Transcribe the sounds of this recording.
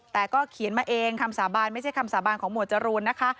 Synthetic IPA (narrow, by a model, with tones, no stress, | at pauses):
t̪ɛː˨˩kɔː˥˩kʰi˨˩˦nmaː˧ʔeː˧ŋkʰa˧msaː˩˦baː˧nma˥˩jt͡ɕʰa˥˩jkʰa˧msaː˨˩˦baː˧nkʰɔː˩˦ŋmu˨˩ət̪̚t͡ɕa˧ɾuː˧nːa˦˥kʰa˦˥ʔ